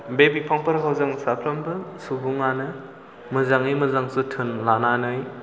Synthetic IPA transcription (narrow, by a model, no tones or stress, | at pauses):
bebipʰaŋpɐɾɦawzɯŋsapʰɾɐmbɯsubuŋanɯ | mɯzaŋimɯzaŋsutʰɯnlananɯj